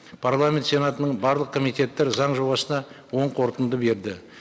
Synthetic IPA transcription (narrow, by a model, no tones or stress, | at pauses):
pʰaɾlˠamʲe̞nt̪se̞nat̪ənəɴbɑɾlˠəq̚kʰomijt̪e̞t̪ːeɾzɑɴʒo̞bɑsənɑ | wo̞ɴqʰo̞ɾt̪ənd̪əbe̞ɾd̪ɪ